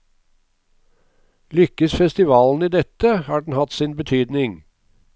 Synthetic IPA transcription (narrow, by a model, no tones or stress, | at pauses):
lʏkəsfɛst̪ɪʋɑːln̩iːd̪ɛt̪əhɑːɖɳn̩hɑt̪siːnbət̪ʰyːd̪nɪŋ